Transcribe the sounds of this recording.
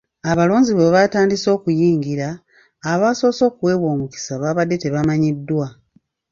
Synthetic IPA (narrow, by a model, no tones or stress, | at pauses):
aβalo̞ːɲziβeβataːndiso̞ːkujiːŋɡiɾaː | βaso̞ːso̞ːkwe̞ːβwoːmuki̥saβaːβadːe̞te̞βamaɲidːwa